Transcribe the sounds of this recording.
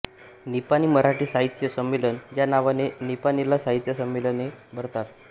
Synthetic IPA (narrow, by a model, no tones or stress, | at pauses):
nipañiməɾaʈiːsaɦit̪jəsəmːelənjanaʋanenipanilasaɦit̪jəsəmːelənebʱəɾt̪at̪̚